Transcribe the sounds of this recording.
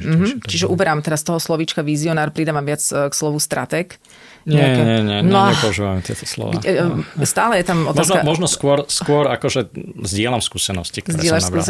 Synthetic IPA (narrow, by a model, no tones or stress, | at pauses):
m̩ɦ̩t͡ʃiʒɛʔubɛɾamt̪ɛɾast̪ɔɦɔslɔʋit͡ʃkaʋiziɔnaːɾpɾid̪aːʋamʋɪat͡skslɔʋust̪ɾʔa̰t̪ɛk | ɲɛkɛɲɛɲɪɛɲnɔaɛpɔuʒiʋamɛt̪ɪɛ̰t̪ɔslɔ̰ʋa̰ | st̪aːlɛjɛt̪amɔ̰tmasnamɔʒnɔskʊɔɾskʊɔɾakɔʒɛzɟɪɛlamskuːsɛnɔ̰scikt̪zɔɾɪɛlabus